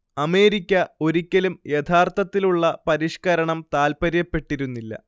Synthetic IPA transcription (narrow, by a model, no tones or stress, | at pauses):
ɐme̞ːɾikʲːɐo̞ɾikʲːɐlumjet̪ʰaːrt̪ɐt̪ːiluɭːɐpɐɾiʂkɐɾɐɳɐmt̪aːlpɐɾjɐpːe̞ʈːiɾunːilːɐ̰